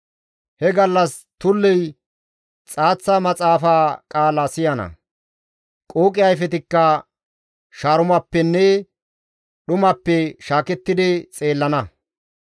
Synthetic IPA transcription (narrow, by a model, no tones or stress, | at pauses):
hɛɡɐlːɐs | t̪ʊlːɛj | t͡sʼaːt͡sːɐmɐt͡sʼaːfaːkʼaːlasɪjɐnɐ̰ | kʼoːkʼɪjɐjfɛt̪ɪkːɐ | ʃaːɾʊmɐpːɛnːɛ | ɗʊmɐpːɛʃaːkɛt̪ːɪd̪ɪt͡sʼe̞ːlːɐnɐ